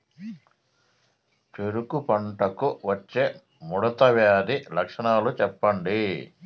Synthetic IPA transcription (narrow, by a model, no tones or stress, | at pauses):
t͡ʃeɾukupɐɳʈɐkuʋɐt͡ʃːeː | muɽɐt̪ɐʋjaːd̪ilɐkʂɐɳaːlut͡ʃɛpːɐɳɖi